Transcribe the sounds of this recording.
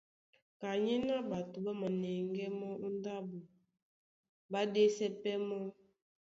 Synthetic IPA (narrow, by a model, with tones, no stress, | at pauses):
ka˨ɲɛ˦na˦ba˨tu˨ba˦ma˨nɛ˨ŋɡɛ˦mɔ˦ʔu˦n˦da˦bu˨ | ba˦de˦sɛ˦pɛ˦mɔ˦